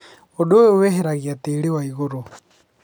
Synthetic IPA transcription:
odooweɦeɾaɣiateɾewaiɣoɾo

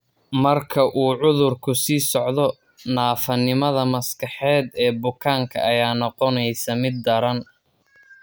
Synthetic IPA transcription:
mɐrkʰɐʔuːʕʊðʊrkʰʊsiːsɔʕðɔ | naːfɐnɪmɐðɐmɐskʰɐħɛːd̪ɛːbʊkʰaːŋkʰɐ̰ɐjaːnɔqɔnɛjsɐmɪd̪ːɐɾɐn

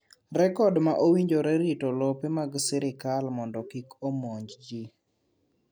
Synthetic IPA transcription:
rɛkɔdmaʔowiɲd͡ʒoɾɛɾitɔlɔpemaɡsɛɾɪkalmɔndɔkikomɔɲd͡ʒd͡ʒi

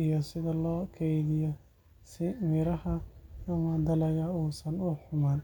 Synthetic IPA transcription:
ijɔsɪðɐlɔːkʰɛjðɪjɔ | sɪmɪɾɐhɐjɐmɐd̪ɐlɛɣɐuːsɐnʊħʊmaːn

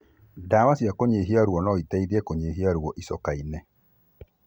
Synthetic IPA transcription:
damasiakoɲeɦiaɾuɔnɔitɛidiɛkoɲeɦiaɾuwɔʔisɔkainɛ

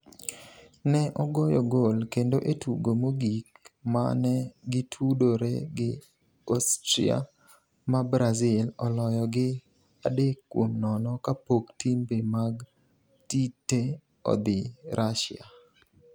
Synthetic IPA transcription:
nɛʔɔɡɔjɔɡolkendoʔetuɡomoɡikma̰nɛɡɪtʰudoɾeɡɪ | ostɾḭa̰ | mabɾazɪlɔlɔjɔɡɪ | adekːwomnɔnɔkapoktimbemaɡ | titːe | ɔ̰d̪ɪɾʔaʃḭa̰

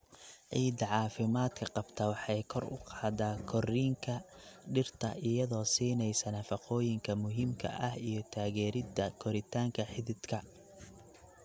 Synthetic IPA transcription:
ʕiːd̪ɐʕɑːfɪmaːd̪kʰɐqɑbt̪ʰɐːwɑħɑjkʰɔrʊ̰qɑːd̪aːkʰɔriːŋkʰɐ | ɖɪrt̪ʰɐʔɪjɐðɔːsiːnɛjsɐnɐfɑqɔːjɪŋkʰɐmʊɦiːmkʰɐ̰ʔɐhijɞt̪ʰaːɣɛːɾɪd̪ɐkʰɔɾɪt̪ʰaːŋkʰɐħɪðɪd̪kʰɐ

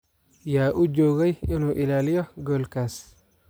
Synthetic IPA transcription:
jaːʔʊd͡ʒɔːɣɛjɪnuːʔɪlaːlɪjɔɡɔːlkʰaːs

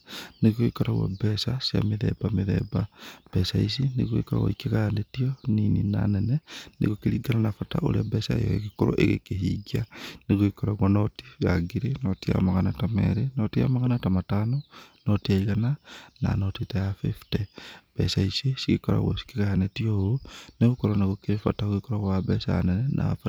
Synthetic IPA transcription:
neɣoikɔɾaɣwɔ̰bɛsasja̰meðɛ̰bameðɛ̰bab̥ɛsais̬ineɣoikɔɾa̰ɣo̰ikeɣajanetioninina̰nɛnɛnḛɣokiɾiɡananafata̰oɾabɛsaḛjɔ̰ekekoɾo̰ʔeɣḛkeɦiɡianeɣuikoɾaɣwanoti̥ɣaɡiɾenotia̰maɣanatamḛɾenotia̰maɣanatamatanonotiaiɣanana̰notitajafifteb̥ḛsaisisiɣikoɾa̰ɣo̰si̥kiɣajanetiohoneɣukoɾoneɣukiɾefa̰tauɣikoɾaɣwabɛsaa̰nenenʔa̰fa

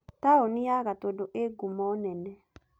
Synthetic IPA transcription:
taoniaɣatodoʔeɡumɔnɛnɛ

